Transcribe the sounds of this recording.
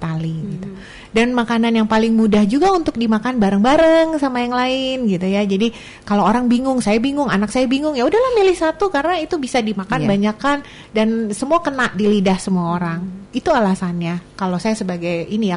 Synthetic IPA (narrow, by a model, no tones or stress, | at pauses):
t̪aliɡit̪u | danmakananjaŋpalɪŋmudahd͡ʒuɡaunt̪ʊk̚dimakanbaɾəŋbaɾəŋsamajaŋlaɪnɡit̪ujad͡ʒadi | kalooɾaŋbiŋʊŋsajabiŋʊŋanak̚sajabiŋʊŋjaudahlahmilɪhsat̪ukaɾənait̪ubisadimakanbaɲakan | dansəmuakənaʔdilidahsəmuaoɾaŋit̪ualasanɲakalosajasəbaɡajinija